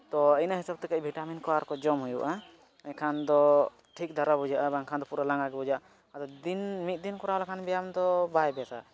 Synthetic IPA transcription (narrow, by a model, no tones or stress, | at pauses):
t̪ɔəjnaɦisab̚t̪ɛkəʔbʱiʈaminkɔaɾkɔd͡ʒɔmɦujuʔa | kʰand̪ɔ | ʈʰik̚d̪ʱaɾabud͡ʒaʔabaŋkʰand̪ɔpuɾalaŋɡaɡɛbud͡ʒaʔ | ad̪ɔd̪inmit̪̚d̪inkuɾalakʰanbɛjamd̪ɔbajbɛasa̰